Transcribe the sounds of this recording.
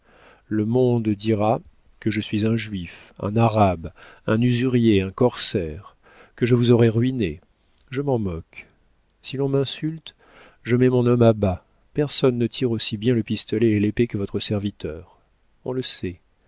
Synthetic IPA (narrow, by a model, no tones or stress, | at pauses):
ləmɔ̃d̪d̪iʁa | kəʒəsɥizɛ̃ʒɥifɛ̰̃naʁabɛ̃nyzyʁjeɛ̃kɔʁsɛʁ | kəʒəvuzɔʁɛʁɥine | ʒəmɑ̃mɔk | silɔ̃mɛ̃sylt̪ | ʒəmɛmɔ̃nɔmaba | pɛʁsɔnːət̪ʰiʁosibjɛ̃ləpist̪ɔlɛːlepekəvɔt̪χəsɛʁvit̪œːʁ | ɔ̰̃ləsɛ